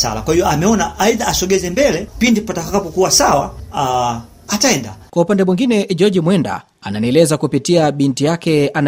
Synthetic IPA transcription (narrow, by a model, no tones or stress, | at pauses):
sa̰la̰kwahiɔamɛɔnaʔaiðaːsɔɡɛzɛmbɛlɛpindipatakakapɔkuwasawa | ataɛnda̰kwaupandɛmwiŋɡinɛʄɔʄimwɛnda̰ | a̰naniɛlɛzakupitiaɓintijakɛana